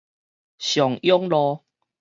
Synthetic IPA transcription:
ɕjɔ˨˩ŋjɔ˦ŋlɔ˧

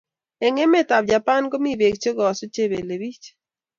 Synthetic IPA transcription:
ɛ˨ŋɛ˦mɛ˦ta˨b̚d͡ʒa˨pa˦nko˦mi˦be˨kt͡ʃo˦ɡɔ˨ɔ˨so˦t͡ʃe˦˨be˨le˨bi˦t͡ʃ

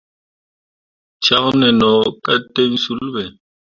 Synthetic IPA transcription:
t͡ʃʰa˦ɣnɛ˨nɔ˨kʼa˦tʼe˦ŋ̩˦su˦lbɛ˨

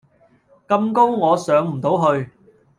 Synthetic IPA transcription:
kɐ˧mko˥wŋɔː˨˧sœː˨˥ŋm̩˨˩t̪o˨˥wɦɵ˧ɥ

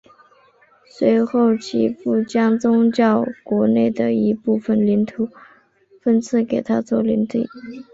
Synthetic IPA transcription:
swe˧˥ɪxo˥˩ʊt͡ɕʰḭ˧˥fu˥˩t͡ɕjɑ˥ŋt͡sʊ˥ŋt͡ɕjɑ˥˩ʊkwɔ˧˥ne˥˩ɪd̪ə˩i˧˥pu˥˩fə˩nli˧˥nt̪ʰu˨˩˦ | fə˥nt͡sʰɹ̩˥˩ke˨˩ɪt̪ʰa˥t͡swɔ˥˩li˧˥nt̪ḭ˥˩

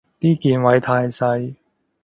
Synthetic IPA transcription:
t̪iː˥kiː˨nwɐ˨˧˥jt̪ʰaː˧jsɐ˧j

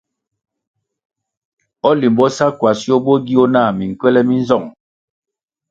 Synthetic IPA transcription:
ɔ˦li˨m˨bɔ˦sa˦kwa˨si˦o˦bo˦ɡi˦o˦naː˦˨mi˨ŋ˨kwɛ˦lɛ˦mi˦n˦zɔ˦˨ŋ

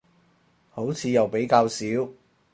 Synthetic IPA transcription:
ho˨˥wt͡sʰiː˨˧jɐ˨wpe˨˥jkaː˧wsiː˨˥w

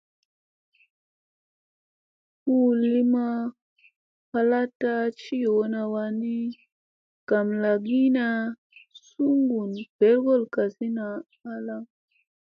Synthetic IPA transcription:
ku˦li˦ma˦ | pa˨la˦ta˦t͡ʃi˦jo˨wo˦na˧wa˧ni˦ | ka˨mla˨ɡi˦na˨ | su˦ŋɡu˨nb̥e˨˦lɡo˦˨lka˨si˦naː˨˦ | la˦

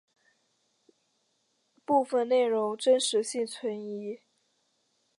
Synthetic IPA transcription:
pu˥˧fə˥˧nne˥˩ɪɻʊ˧˥ŋʈ͡ʂə˥nʂɻ̩˧˥ɕi˥˩ŋt͡sʰwə˧˥ni˧˥

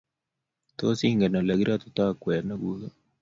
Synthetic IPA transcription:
t̪o˦si˦ŋɡɛ˨na˨la˨ɡiɾat̪o̥t̪a˦kwɛ˨na˦ɡuðo

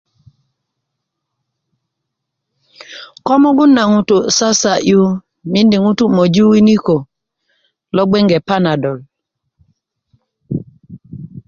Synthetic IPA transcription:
kɔ˦mɔ˦ɡʊ˦na˨ŋu˦tu˨sa˦sa˨ʔju˦ | mi˦ndi˨ŋu˦tu˦mo˨d͡ʒu˦wi˦ni˦ko˨ | lɔ˦ɡ͡bɛ˦ŋɡɛ˨pa˦na˨dɔ˨l

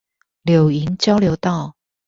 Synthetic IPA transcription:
ljo˨˩ʊi˨˦nt͡ɕjɑ˥˦ʊljo˨˧˥ʊt̪ɑ˥˨ʊ

